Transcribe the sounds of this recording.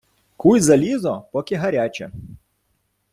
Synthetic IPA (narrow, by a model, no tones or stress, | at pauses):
kujzɐlʲizɔpɔkʲiɦɐɾʲat͡ʃʲɛ̰